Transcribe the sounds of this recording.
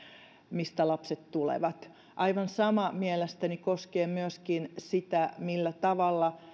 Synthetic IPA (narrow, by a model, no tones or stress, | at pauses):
mist̪ælɑpset̪t̪ulḛʋɑt̪ | ʔɑiʋɑnsɑmɑmielest̪ænikoskeːmyøskinsit̪æmilːæt̪ɑʋɑlːɑ